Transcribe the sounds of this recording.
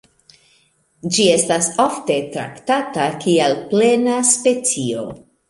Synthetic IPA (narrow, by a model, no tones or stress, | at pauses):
d͡ʒie̞stasafte̞tɾa̰ktatakialple̞naspe̞t͡sio̞̰